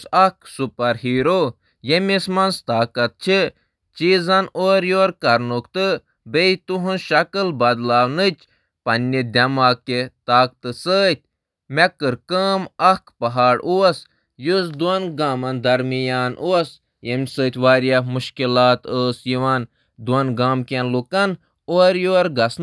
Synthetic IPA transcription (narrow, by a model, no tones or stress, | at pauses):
sɐksupɐɾhiːɾo | jemʲismɐnst̪aːkɐt̪̚t͡ʃʰi | t͡ʃiːzɐnoːɾjoːɾkɐɾnukt̪ɨ | beit̪uɦunʃɐkɨlbɐd̪laːwnɨt͡ʃʲ | pɐnʲːid̪ʲɐmaːkːet̪aːk̚t̪ɨsəːt̪̚ʲ | mekɨɾkəːmɐkpɐɦaːɽuɐs | jusd̪uɐnɡaːmɐnd̪ɐɾmijaːnʔos | jemʲsəːt̪ʲʋaːɾjamuʃkilaːt̪əːsjiʋan | d̪uɐnɡaːmkʲenlukɐn | oɾjoːɾɡɐsn